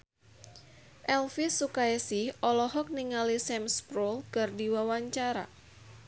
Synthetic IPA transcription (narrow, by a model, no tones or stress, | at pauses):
ʔɛlfisːukaesihɔlɔɦɔk̚niŋalisɛmspɾɔlkərdiwawaɲt͡ʃaɾa̰